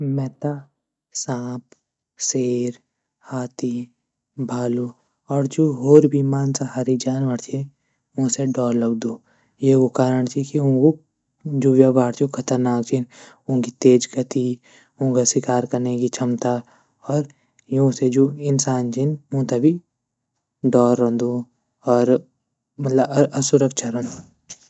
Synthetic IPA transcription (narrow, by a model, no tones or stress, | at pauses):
mɛːt̪a | sãːp | seːɾ | haːt̪i | bʱaːlo | ɔːɾd͡ʒoːɦoːɾbʱimaːnsaɦaɾid͡ʒaːnʋəɾt͡ʃʰi | ʊ̃seɖɔːɾləɡd̪oː | jeokaːɾəɳ̃t͡ʃʰikiʊ̃ːɡo | d͡ʒoːʋjabaːɾt͡ʃokʰɐt̪əɾnaːkt͡ʃʰin | ʊ̃ːkit̪eːd͡ʒɡət̪i | ʊ̃kaswɪkaːɾkɐɾnekit͡ʃʰɐmt̪a | ɔːɾ | jõsed͡ʒoːɪnsaːnt͡ʃʰinmõːt̪abi | ɖɔːɾːɐ̃nd̪oː | ɔːɾ | mɐt̪ləbɐsʊɾəkt͡ʃʰɐɾə̃nd̪o